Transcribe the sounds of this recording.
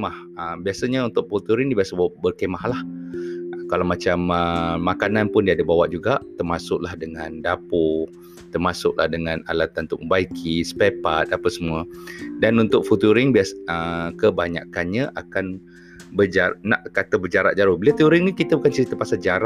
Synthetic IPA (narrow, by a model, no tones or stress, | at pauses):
mah | əbiasəɲəunt̪ʊk̚fut̪uɾɪŋdibiasəbawʔbərkəmahlah | kalawmat͡ʃaməːakananpʊndiadəbawaʔ̚d͡ʒuɡaʔt̪ərmasʊk̚lahdəŋandapʊ | t̪ərmasʊk̚lahdəŋana̰lat̪anunt̪ʊk̚məmbaikʰisə̥pepat̪̚apəsəmuədanunt̪ʊk̚fut̪uɾɪŋbiasəkəbaɲa̰kanɲaʔakan | bəd͡ʒanaʔkat̪əbərd͡ʒaɾaʔ̪̚d͡ʒaɾʊhbəliat̪əuɾɪŋnikit̪əbukant͡ʃəɾit̪əpasad͡ʒaɾa